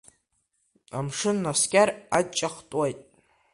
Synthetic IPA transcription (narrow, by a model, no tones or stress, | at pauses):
a̰mʂɨnːaskʲʼarad̚t͡ʃʼaχtʼajtʼ